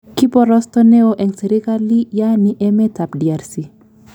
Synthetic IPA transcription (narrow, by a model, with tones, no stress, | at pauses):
ki˦pɔ˨ɾɔ˦st̪ɔ˦ne˦oʔɛ˨ŋse˨ɾi˦ka˦li˦ja˦ni˦ʔɛ˦me˦ta˨pdi˨a˨ɾsi˨